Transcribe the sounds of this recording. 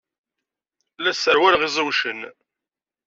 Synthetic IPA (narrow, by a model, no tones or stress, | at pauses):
læsəɾwæɾʁizˤəwʃən